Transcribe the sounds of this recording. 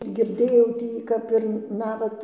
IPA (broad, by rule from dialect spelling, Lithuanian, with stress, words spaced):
ɡʲɪrʲˈdʲeːjɛʊ ˈtʲiː ˈkɐp ɪr ˈnɑːʋɐt